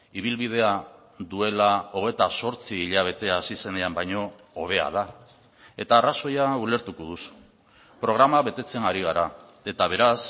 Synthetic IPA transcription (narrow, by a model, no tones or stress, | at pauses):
iβ̞ilβið̞e̞a | ðue̞lao̞ɣ̞e̞t̪aso̞ɾt͡siːʎaβ̞e̞t̪e̞asise̞neambajɲo̞ː | β̞e̞a̰ð̞a | e̞t̪aːraso̞jaule̞ɾt̪ukoðusu̥ | pɾo̞ɣ̞ɾamaβe̞t̪e̞t͡se̞ŋɡaɾiɣ̞aɾa | e̞t̪aβ̞e̞ɾas